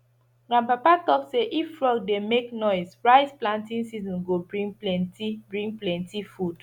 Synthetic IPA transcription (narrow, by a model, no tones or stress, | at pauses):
ɡ̥ɹãnpapatɔkseʔifflɔɡ̚demeknɔɪzɹaɪzplãntĩnsizɔ̃nɡobɹĩŋlɛntibɹĩŋɡ̚plɛ̃ntifud̥